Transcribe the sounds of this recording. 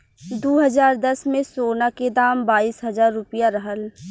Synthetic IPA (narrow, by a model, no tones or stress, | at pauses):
d̪oːɦəzaːɾd̪ɐsmẽsoːnaked̪aːmbaːiːsɦɐzaːɾːʊpəjaɾɐɦəl